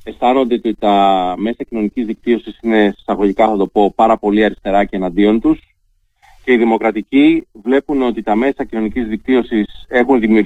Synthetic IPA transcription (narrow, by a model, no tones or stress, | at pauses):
e̞st̪ɐno̞nd̪et̪iit̪ɐme̞sɐcino̞nicizðik̚t̪io̞sisine̞sɐɣo̞ʝikɐθɐt̪o̞po̞pɐɾɐpo̞liɐɾist̪e̞ɾɐce̞ːnɐnd̪io̞nt̪us | ce̞iðimo̞kɾɐt̪icivle̞puno̞t̪it̪ɐme̞sɐcino̞nicizðik̚t̪io̞sise̞xunðimiuɾ